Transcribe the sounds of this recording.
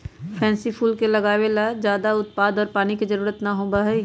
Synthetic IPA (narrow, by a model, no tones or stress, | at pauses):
pʰɛ̃ːnsipʰuːlkelɐɡaːʋelad͡ʒjaːd̪aʊt̪̚paːd̪ɔːɾpaːnikid͡ʒɐɾuːɾət̪naɦoːbaɦɛ